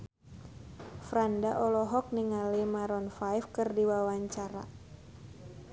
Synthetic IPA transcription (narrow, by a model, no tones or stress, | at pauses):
fɾandaʔɔlɔɦɔk̚niŋalimaɾɔnfajfkɨrdiwawaɲt͡ʃaɾa̰